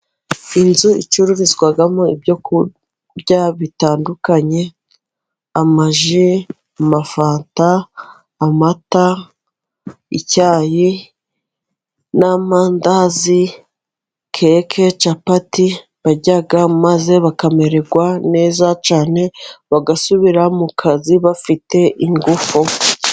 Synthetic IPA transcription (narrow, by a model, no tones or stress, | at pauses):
inzuḭt͡ʃuɾuɾizɡwaɡamoibjo̞ku | ɟaβitaːndukaɲe̞ | amaʒi | amafaːntaː | mata | icaːji | namaːndazi | kʰekʰe̞t͡ʃapati | βaɟaɡamaze̞βakame̞ɾe̞ɡwane̞ːzat͡ʃaːne̞βaɡasuβiɾamukʰaziβafite̞ʔiŋɡufu